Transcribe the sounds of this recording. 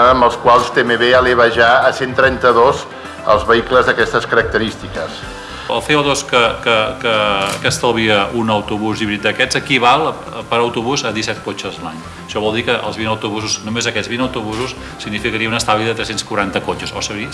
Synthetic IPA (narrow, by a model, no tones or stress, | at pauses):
əmbəlˠskwalˠst̪emeβeəleβəʒaəsent̪ɾɛnt̪əðoz | ə̰lˠzβəikləzðəkɛst̪əskəɾək̚t̪əɾist̪ikəs | ə̰lˠθeoðoskəkəkəkəst̪əlβiəunəwt̪uβuziβɾit̪̚d̪əkɛzəkiβalˠ | pəɾəwt̪uβuzəðisɛt̪̚kot͡ʃəzlaɲ | əʃɔβɔlˠd̪ikəʔə̰lˠzβinəwt̪uβuzusnumezəkɛd͡zβinəwt̪uβuzus | siɡnifikəɾiəunəst̪aβliðət̪ɾɛsenskuɾant̪əkot͡ʃəsosəi